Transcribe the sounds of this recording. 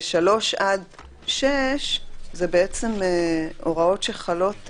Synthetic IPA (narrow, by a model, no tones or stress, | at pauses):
ʃalo̞ʃʔad | ʃeʃzebeet͡semeʔo̞ʁao̞tʃeχalo̞t